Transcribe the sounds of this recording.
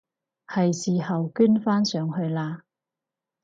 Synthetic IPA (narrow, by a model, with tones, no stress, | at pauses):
hɐ˨jsiː˨hɐ˨wkyː˥nfaː˥nsœː˨˧ŋhɵ˧ɥlaː˧